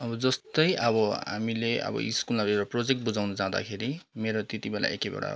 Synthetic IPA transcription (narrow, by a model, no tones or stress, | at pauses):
ʌbʌd͡zʌst̪ʌjʔʌbʌɦa̰mileʔʌ̰bʌ̰iskulmaɾueɾaprod͡zek̚ʈ̚bud͡zawnʌd͡zaɦd̪a̰kʰeɾimeɾot̪et̪ibela̰ʔḛkebḛɽa̰